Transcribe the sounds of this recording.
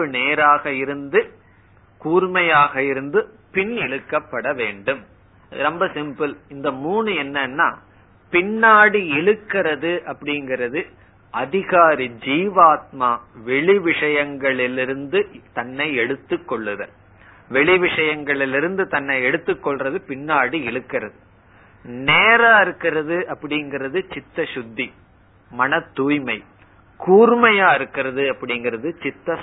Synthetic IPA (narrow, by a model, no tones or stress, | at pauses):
ɯneːɾaːɣɐɪɾɯnd̪ɯ | kuːɾmɐjaːɣɐɪɾɯnd̪ɯ | pɪnɪɻɯkːɐpːɐɽɐʋeːɳɖɯm | ɾɔmbɐsɪmpɯlɪnd̪ɐmuːɳɯɛnːɐnːa̰ː | pɪɳːaːɽiɪɭɯkːɪrɐðɯʔɐpːɐɽɪŋɡɪɾɐðɯ | ɐðɪɣaːɾid͡ʒiːʋaːt̪̚maːʋɛɭiʋɪʂɐjɐŋɡɐɭɪlɪɾɯnd̪ɯt̪ɐnːɐɪɛɽɯt̪ːɯkːɔɭːɯðɐ | ʋɛɭɪʋɪʂɐjɐŋɡɐɭɪlɪɾɯnd̪ɯt̪ɐnːɐɪɛɽɯt̪ːɯkːɔɭrɐðɯpɪnːaːɽiɛɭɯkːɪrɐðɯ | neːɾaːɪɾɯkːɪɾɐðɯʔɐpːɐɽɪŋɡɪɾɐðɯt͡ʃɪt̪ːɐʃʊd̪ːi | mɐnɐt̪ːuːjmɐɪ | kuːrmɐjaːɪɾɯkːɪɾɐðɯɐpːɐɽɪŋɡɪɾɐðɯt͡ʃɪt̪ːɐ